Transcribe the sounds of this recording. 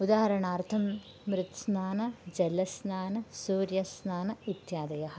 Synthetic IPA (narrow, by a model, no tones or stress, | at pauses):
ud̪aːɦɐɾɐɳaːrt̪ʰɐmː | ɾɪt̪snaːnɐd͡ʑɐlɐsnaːnɐsuːɾjɐsnaːnɐit̪jaːd̪ɐjɐhɐ